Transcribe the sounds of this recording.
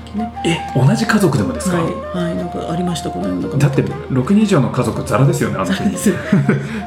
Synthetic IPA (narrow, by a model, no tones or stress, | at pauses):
neeo̞naʑikazo̞kɯ̟d̪e̞mo̞d̪e̞sɨ̥kai | hainãŋka̰ʔaɾʲimaɕi̥t̪akonojonakd̪at̪ːe̞ | ɾo̞kɯ̟ɲ̟ĩʑo̞ːno̞kazo̞kɯ̟zaɾad̪e̞sɨjo̞neant̪ei